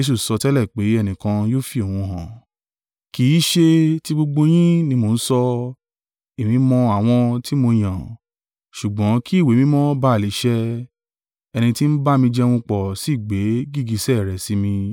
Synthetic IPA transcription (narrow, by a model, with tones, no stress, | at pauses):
e˧˦s̬u˦˨sɔ˧tɛ˦lɛ˦˨k͡pe˨˦ɛ˧nĩ˨kã˧joː˦fi˧˦o˨w̃ũ˧ɦɔ̃˨ | kiː˨˦ʃe˧ti˦ɡ͡bo˧ɡ͡bo˧j̃ĩ˦nĩ˧˦mo˨˧n̩˦sɔ˧ | i˨mĩ˨˦mɔ̃˧a˨w̃ɔ̃˧ti˦mo˧j̃ã˨ | ʃu˨ɡ͡bɔ̃˨˦ki˦i˦˨we˨˦mĩ˨˦mɔ̃˦ba˦a˨li˨˦ʃɛ˦ | ɛ˧nĩ˧ti˦n̩˦ba˦mĩ˧d͡ʒɛ˦w̃ũ˧k͡pɔ˨si˦˨ɡ͡be˨˦ɡi˦˨ɡi˧sɛ˦˨ɾɛ˨si˨˦mĩ˧